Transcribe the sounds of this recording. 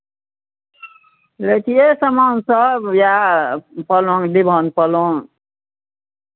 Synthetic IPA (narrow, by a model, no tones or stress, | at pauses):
let̪ʰijesəmansʌbja | pəloŋd̪ibʱʌnpəloŋ